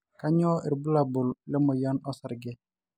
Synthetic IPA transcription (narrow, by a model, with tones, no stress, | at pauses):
ka˦ɲɔ˦ʔi˨ɾbu˦la˨bʊ˨llɛ˦mɔ˨ja˦nɔ˦sa˨ɾɡɛ˦